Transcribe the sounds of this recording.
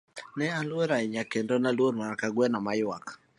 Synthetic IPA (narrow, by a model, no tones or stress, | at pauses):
nɛalweɾaiɲakendɔnalwoɾmaakaɡwɛnamajwak